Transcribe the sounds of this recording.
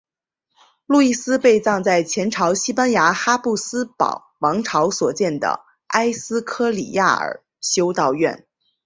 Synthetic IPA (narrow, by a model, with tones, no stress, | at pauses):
lu˥˧i˥˩sɹ̩˥pe˥˧ɪt͡sɑ˥˧ŋt͡sa˥˩ɪt͡ɕʰjɛ˧˥nʈ͡ʂʰɑ˧˥ʊɕi˥pa˥nja˧˥xa˥pu˥˩sɹ̩˥pɑ̰˨˩ʊwɑ˧˥ŋʈ͡ʂʰɑ˧˥ʊswɔ˨˩t͡ɕjɛ˥˩nd̪ə̰˩ | a˥ɪsɹ̩˥kʰɤ˥lḭ˨˩ja̰˥˩ə̰˞˨˩ | ɕjo˥ʊt̪ɑ˥˧ʊɥɛ̰˥˩n